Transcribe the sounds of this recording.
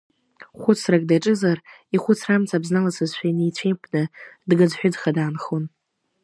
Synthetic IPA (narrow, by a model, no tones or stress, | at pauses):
χʷʊt͡sʰrakʼdaʈ͡ʂʼɨzar | iχʷʊt͡sʰramt͡sʰʼabznalasɨzʃʷᶣajnijt͡ɕʷʰejpʷʰʼnɨdɡad͡zħᶣʊd͡zχadaːnχon